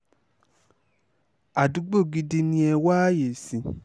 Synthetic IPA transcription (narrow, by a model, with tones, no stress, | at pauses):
a˨du˨˦ɡ͡bo˦˨ɡi˦di˧nĩ˦ɛ˧wa˦je˨sĩ˨˧˦